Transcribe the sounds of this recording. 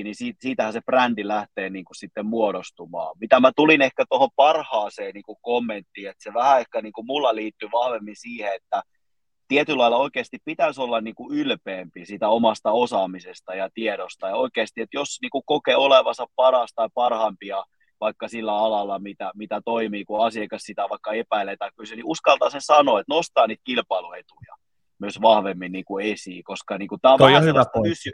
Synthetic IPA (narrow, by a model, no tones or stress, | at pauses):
nisiːtsiːt̪æhæseprændilæht̪eːniːŋkussit̪ːemmuoɾost̪umɑ̰ːmit̪æmæt̪ulinehkæt̪ohompɑrhɑːseːniːŋkukomːent̪ːiːet̪seʋæhæehkæniːŋkumulːɑliːt̪ːyʋɑhʋemːisiːheet̪ːæ | t̪iet̪ylɑilːɑoikeːst̪ippit̪æsolːɑnniːŋkuylpeːmpisiːt̪æomɑst̪ɑosɑmisest̪ɑjɑt̪ieɾost̪ɑjɑoikeːst̪iet̪josniːkukokeoleʋɑnsɑppɑrɑst̪ɑipɑrhɑmpiɑ | ʋɑikːɑsilːæɑlɑlːˑɑmit̪æmit̪æt̪oimiːkuɑsiekɑssit̪æʋɑikːɑepæilet̪ɑikkysyniʔuskɑlt̪ɑsesɑnoːet̪nost̪ɑːniːt̪̚kilpɑiluet̪ujɑ̰ | myøsʋɑhʋemːinniːkuesiːkoskɑniːŋkut̪æːoɑhyʋæoysy